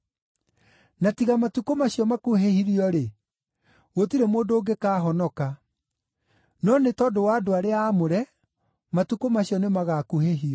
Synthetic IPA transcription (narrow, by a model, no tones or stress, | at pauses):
natiɣamatukomaɕjɔmakuɦehiɾiɔɾe | ɣotiɾemoːndoːɡekaːɦɔnɔka | nɔnetɔdowadoaɾeaːmoɾɛ | matukomaɕjɔnemaɣaːkuheɦiɔ